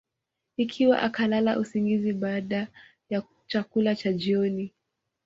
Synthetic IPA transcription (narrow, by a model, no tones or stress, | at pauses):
ikʰiwa̰ʔakalala̰ʔusiŋɡiziɓaːɗa | ja | t͡ʃakulat͡ʃad͡ʒiɔni